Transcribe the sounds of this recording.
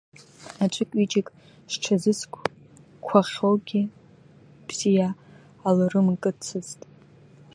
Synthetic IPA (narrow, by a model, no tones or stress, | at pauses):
at͡ʃʷʼʊkʲʷʼit͡ʃʼɪkʼ | ʂʈ͡ʂʰazɨskʷʰ | kʷʰaχʲowɡʲi | b̥z̥ijaː | lɨrɨmkʼɨt͡sʰɨztʼ